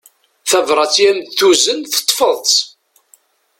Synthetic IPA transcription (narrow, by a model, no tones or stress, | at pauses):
θævɾˤɑt͡sːjænθuzənθə̥t̪ˤːfəðˤt̪